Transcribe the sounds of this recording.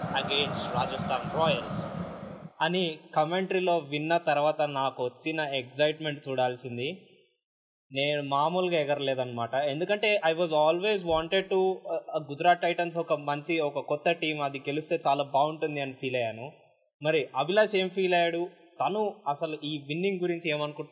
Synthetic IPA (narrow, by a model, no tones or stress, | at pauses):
ɐɡe̞ːnsʈɾaːd͡ʒɐsʈʰaːnɾɔːjɐls | ɐnikɐme̞ɳʈɐɾilo̞ːʋinːɐt̪ɐɾʋaːt̪ɐnaːkuʋɐt͡ʃːinɐeksɐjʈme̞ɳʈt͡ʃuːɽaːlsind̪i | ne̞ːnumaːmulɡaːɛɡɐɾɐleːd̪ɐnːɐmaːʈɐe̞nd̪ukɐɳʈe̞ːʔɐjʋɐːzaːlʋe̞ːzʋaːɳʈeɖ̚ʈuɡud͡ʒɾaːɐjʈɐns̬ɔkɐmɐɲt͡ʃiɔkɐkɔt̪ːɐʈiːmɐd̪iɡe̞lust̪e̞ːt͡ʃaːlaːbaːuɳʈund̪iɐnipʰiːlɐjaːnu | mɐɾiʔɐbilaːse̞ːmpʰiːlɐjaːɽu | t̪ɐnuɐsɐluiːʋinːiŋɡɡuɾiɲt͡ʃie̞ːmɐnuku